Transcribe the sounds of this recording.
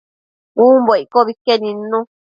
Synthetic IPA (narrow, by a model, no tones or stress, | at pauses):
ũmboikoβikenĩnːũ